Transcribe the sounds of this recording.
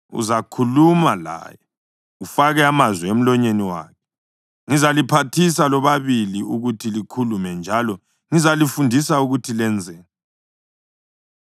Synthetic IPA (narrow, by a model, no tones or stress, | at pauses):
ṵzakʰulumala̰ːjɔ | ufaɣɛamazwɛem̩lɔɲeniwa̰ːkʰɛ̥ | ŋizalipʰatʰis̬alɔβaβiliuɣutʰilikʰulumɛnd͡ʒʱalɔ | ŋizalifundʱisauɣutʰilɛnd͡zʱɛːnɛ